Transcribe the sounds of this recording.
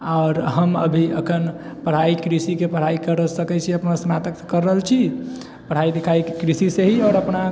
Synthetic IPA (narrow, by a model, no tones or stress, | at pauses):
aːɾɦəmə̰bʱiəkʰənpəɽ̤aikɾisikepəɽ̤aikəɾəsəkɛt͡ʃʰiəpnasnat̪əksekəɾːəɦəlt͡ʃʰi | pəɽ̤aid̪ikʰaikkɾisiseɦiɔːɾəpna